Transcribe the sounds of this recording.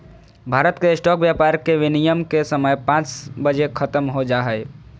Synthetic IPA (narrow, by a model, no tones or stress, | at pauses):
bʱaːɾət̪keɪsʈɔːkʋjaːpaːɾkeʋɪnijəmkesəməjpãːt͡ʃbəd͡ʒekʰɐt̪əmɦod͡ʒaːɦɛe